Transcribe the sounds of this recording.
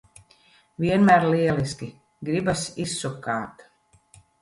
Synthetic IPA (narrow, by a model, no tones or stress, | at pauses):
viɛnmæɾliɛliskʲi | ɡɾibasisːukaːt̪